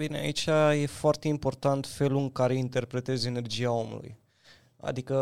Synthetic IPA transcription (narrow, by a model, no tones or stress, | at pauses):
vinea̰it͡ʃʲaje̞foart̪e̞impo̞rt̪ant̪fe̞luɨŋkaɾe̞int̪e̞rpɾe̞t̪e̞ze̞ne̞rd͡ʒiao̞mṵlṵj | a̰d̪ikə